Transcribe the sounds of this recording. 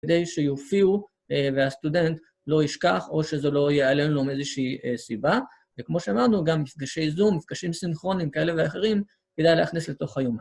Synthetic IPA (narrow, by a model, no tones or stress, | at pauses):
ked̪ejʃejofiu | eveast̪ude̞nt̪ | lo̞iʃkaχo̞ʃezelo̞jealenlome̞zeʃiːesiba | vekmo̞ʃeamaʁnuɡamːifɡaʃe̞jzumːifɡ̥aʃimsinχʁo̞nimkae̞le̞veaχe̞ʁim | ked̪ajlehaχnisle̞to̞χajo̞m